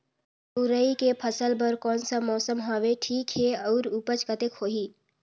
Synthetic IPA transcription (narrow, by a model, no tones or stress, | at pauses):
ʊɾəikepʰəsəlbəɾkɔːnsamɔːsəmɦaːʋeʈʰiːkɦeɔːɾupət͡ʃkət̪ekʰoːɦiː